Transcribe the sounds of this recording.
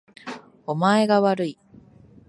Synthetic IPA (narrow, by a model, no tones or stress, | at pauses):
omae̞ɡaβaɾɯi